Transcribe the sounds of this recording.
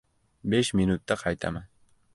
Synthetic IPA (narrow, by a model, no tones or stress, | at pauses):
beʃmɪnʊt̪ːaqʰɑjt̪ʰa̰maŋ